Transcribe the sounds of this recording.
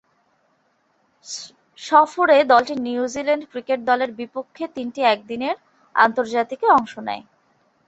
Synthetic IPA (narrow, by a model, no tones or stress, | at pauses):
ʃɔfoɾed̪ɔlʈinjuud͡ʑileɳɖkɾikeʈ̚d̪ɔleɾbipokʰːet̪inʈiɛk̚d̪ineɾ | a̰nt̪oɾd͡ʑat̪ikeɔŋʃonɛ̰e